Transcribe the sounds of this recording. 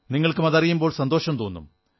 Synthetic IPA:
niŋːɐɭkɨmɐðɐrijumbo̞ːɭsɐnd̪o̞ːɕɐmt̪oːnːṵm

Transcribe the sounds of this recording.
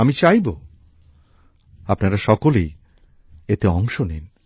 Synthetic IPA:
amit͡ɕajbo | apnaɾaʃɔkolej | et̪eɔŋʃonḛn

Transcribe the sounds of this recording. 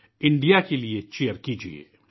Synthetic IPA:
ɪ̃ɳɖijakeliet͡ʃejəɾkid͡ʒḭḛː

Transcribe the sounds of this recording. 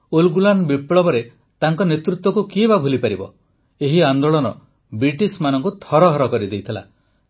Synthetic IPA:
olɡulanbipɭɔbɔɾe | t̪aŋkɔnet̪ɾut̪wɔkukibabʱulipaɾibɔ̰ | eɦiand̪oɭɔnɔ̰ | bɾiʈismanɔŋkut̪ʰɔɾɔɦɔɾɔkɔɾid̪ejt̪ʰila̰

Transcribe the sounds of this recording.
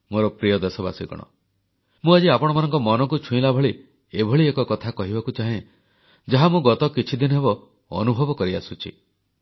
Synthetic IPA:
moɾɔpɾijɔd̪esɔba̰siɡɔ̰ɽ̃ɔ̰ | mũad͡ʒiapɔɽ̃ɔmanɔŋkɔmɔnɔk̬ut͡ʃʰũĩlabʱɔɭi | ebʱɔɭiekɔkɔt̪ʰakɔɦibakut͡ʃaɦẽ | d͡ʒaɦamũɡɔt̪ɔkit͡ʃʰid̪inɔɦebɔ | ɔ̰nubʱɔbɔkɔɾia̰sut͡ʃʰḭ

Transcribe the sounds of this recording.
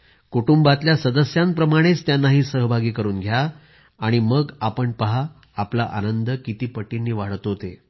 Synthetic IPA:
kuʈumbat̪ljasəd̪əsjãmpɾəmaɽ̃et͡st̪janːaɦiːsəɦbʱaɡiːkəɾuːnɡʱjaː | ɽ̃iməɡapəɳpəɦaː | plaʔanənd̪əkit̪iːpəʈːinːiːʋaɽ̤t̪oɦot̪ḛ

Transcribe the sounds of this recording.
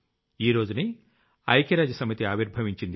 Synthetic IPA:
iːɾo̞ːd͡ʒuni | ɐjkɐɾaːd͡ʒɐsɐmit̪iaːʋiɾbʱɐʋiɲt͡ʃind̪i

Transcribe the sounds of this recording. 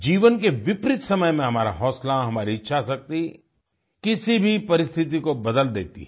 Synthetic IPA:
d͡ʒiːʋənkeʋɪpɾɪt̪sɐməjmẽɦɐmaːɾa̰ɦɔːslaɦɐmaːɾit͡ʃʰasɐk̚t̪i | kɪsibʱipɐɾɪst̪ʰɪt̪̬ikobɐd̪əld̪ḛːt̪ḭɛ

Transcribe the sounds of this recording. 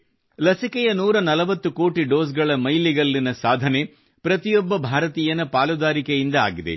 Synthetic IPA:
lɐsikɛjɐnuːɾɐnɐlɐʋɐt̪ːuko̞ːʈiɖo̞ːsɡɐɭɐmɐjliɡɐlːinɐsaːd̪ʱɐne̞ | pɾɐt̪ijɔbːɐbʱaːɾɐt̪iːjɐnɐpaːlud̪aːɾikejind̪ɐaːɡid̪ḛ

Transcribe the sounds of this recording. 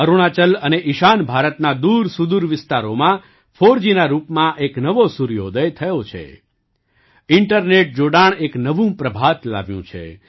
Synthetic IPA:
əɾuɽ̃at͡ʃələneʔiʃanbʱaɾət̪nad̪uɾsud̪uɾʋɪst̪aɾomã | fʰoɾd͡ʒinaɾupmãʔeknəʋosuɾijo̰d̪əjt̪ʰəjot͡ʃʰḛ | ɪɳʈəɾneʈ̚d͡ʒoɽaɳeknəʋũpɾəbʱat̪la̰ʋjṵ̃t͡ʃʰḛ

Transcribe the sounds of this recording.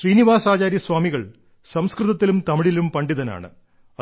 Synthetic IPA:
ʂriːniʋaːsaːt͡ɕaːɾjɐsʋaːmiɣɐɭ | sɐmskrɨðɐt̪ːilumt̪ɐmiɭilumpɐɳɖiðɐna̰ːɳɨ̰ | ɐ

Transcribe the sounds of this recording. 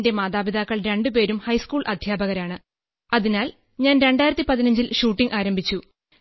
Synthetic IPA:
nde̞maːðaːbid̪aːkːɐɭɾe̞ɳɖupe̞ːɾumhɐjskuːɭʔɐd̪ʱjaːbɐɣɐɾaːɳɨ | ɐðinaːl | ɲaːnɾe̞ɳɖaːjiɾɐt̪ːipɐðinɐɲd͡ʑilɕuːʈːiŋɡaːɾɐmbʱit͡ɕːu

